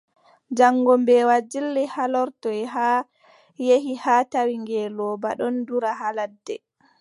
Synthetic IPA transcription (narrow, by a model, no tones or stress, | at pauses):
d͡ʒaŋːɡɔmbɛwad͡ʒilːɛhalɔɾtɔɛɦa | jehihatawiŋɡɛlɔːba̰ɗɔnduɾaɦaladːɛ